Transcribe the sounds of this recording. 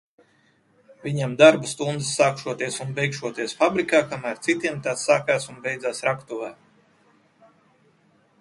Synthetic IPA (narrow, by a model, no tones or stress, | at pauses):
vʲiɲamd̪aɾbust̪und̪ɨsːaːkʃuɔt̪iɛsunbɛjkʃuɔt̪iɛsfabɾikaːkamæːɾt̪sit̪iɛmt̪at̪saːkaːsunbɛjd̪zaːsɾakt̪uvaː